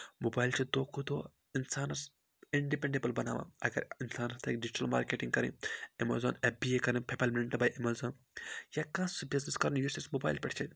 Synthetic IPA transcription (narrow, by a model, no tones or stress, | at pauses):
mobaːjlt͡ʃʰid̪oːkʰud̪oː | insaːnɐɾs | iɳɖipeɳɖebɐlbɐnaːʋã̰ɐɡɐ̰ɾinsaːnɐɾt̪ʰɐkɖid͡ʒiʈɐlma̰ːɾkeːʈĩŋɡkɐɾḭ̃emɐzoːnebiekɐɾĩpʰepʰɐlmnɳʈbaːjʔemɐzõːn | jakãːsbizniskɐɾnjusismobaːjlpʲɛʈʲt͡ʃʰɐt̪ʲ